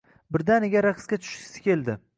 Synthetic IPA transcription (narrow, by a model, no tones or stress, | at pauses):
bɪɾd̪anɪɡʲaɾaqʰskʲat̪ʰʊ̥ʃɪ̥ɪ̥sɪ̥kʲʰe̞ld̪ɪ